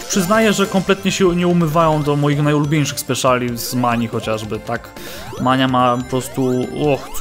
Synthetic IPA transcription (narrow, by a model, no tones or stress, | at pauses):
pʂɘznajɛʐɛkɔmplɛt̪ɲɛɕɛɲɛumɘvajɔ̃w̃d̪ɔmɔjixnajulubʲjejʂɘxspɛʂalʲizmaɲixɔt͡ɕaʐbɘt̪ak | maɲamapɔpɾɔst̪uɔx